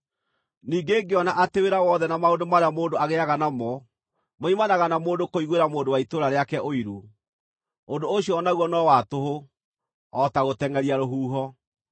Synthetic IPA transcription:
niːɡeːɡeɔnaʔateweɾawɔðɛnamaondomaɾeamoːndoaɣeaɣanamɔ | moimanaɣanamoːndokoiɣweɾamoːndowaitoɾaɾeakɛʔoiɾu | ondooɕiɔɔnaɣwɔnɔwatoɦo | ɔtaɣotɛŋɡɛɾiaɾoɦuːɦɔ

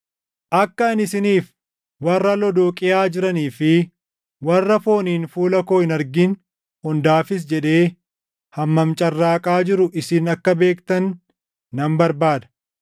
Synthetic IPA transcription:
ʔɐkːɐɪnɪsɪniːf | wɐrːɐlɔd̪oːkʼɪjaːd͡ʒɪɾɐniːfɪ | wɐrːɐfo̞ːniːnfuːlɐko̞ːɪnɐɾɡin | hɔnd̪aːfɪs̬d͡ʒɛᶑ̪e̞ː | hɐmːɐmt͡ʃʼɐrːaːkʼaːd͡ʒɪɾʊʔɪsɪnɐkːɐbe̞ːkt̪ɐnː | ɐmbɐɾbaːd̪ɐ̥

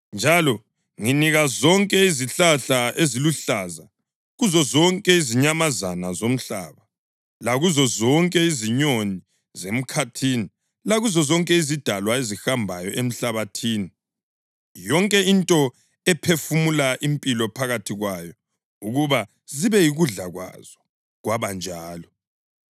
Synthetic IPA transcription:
nd͡ʒʱalɔ | ŋiniɣazɔŋkʼɛiziɬaɬaʔeziluɬaza | ɣuzɔzɔŋkʼɛiziɲamazanazom̩ɬa̰ːβa | laɣuzɔzɔŋkʼɛiziɲoni | zem̩kʰatʰiːni | laɣuzɔzɔŋkʼɛizid̥ʱalwaezixambʱajɔʔem̩ɬaβatʰiːni | jɔŋkʼɛintʼɔ | ɛpʰefumulaʔimpʼilɔpʰaɣatʰiɣwajɔ | uɣuβa | ziβɛjiɣuɮaɣwa̰z̥ɔ | ɣwaβand͡ʒʱaːlɔ

